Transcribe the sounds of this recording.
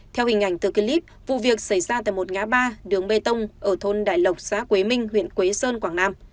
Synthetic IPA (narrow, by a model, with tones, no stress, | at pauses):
t̪ʰɛ˧whï˨˩ŋ̟ʔa˧˩jŋ̟t̪ɨ˨˩ki˧li˦˥p̚vṵ˧˨vi˨˩ək̚sa˧˩jzaː˧t̪a̰˧˨jmo˨˩t̚ŋaː˨˦ɓaː˧ɗɨ˨˦əŋɓe˧t̪ə˧wŋ͡mʔəː˧˩t̪ʰo˧nɗa̰ː˧˨jlə˨˩wk͡p̚sa̰ː˧˥kwe˨˦mï˧ŋ̟ɦwḭ˧˨ənkwe˨˦səː˧nkwaː˧˩ŋnaː˧m